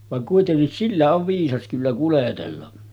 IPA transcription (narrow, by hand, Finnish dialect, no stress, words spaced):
ʋɑŋ kuitenːis silːæ oʋ ʋiːsɑs kylːæ kuletelːɑ